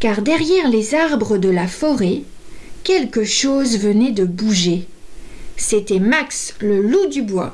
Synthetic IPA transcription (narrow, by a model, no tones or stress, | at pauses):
kaʁd̪ɛʁjɛʁlezaʁbʁəd̪əlafɔʁɛ | kʲɛlkəʃozvənɛd̪əbuʒe | set̪ɛmaksləlud̪ybwa̰